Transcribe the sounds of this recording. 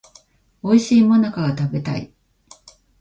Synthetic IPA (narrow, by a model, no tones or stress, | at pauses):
o̞iɕiːmonakaɡat̪abe̞t̪a̰ḭ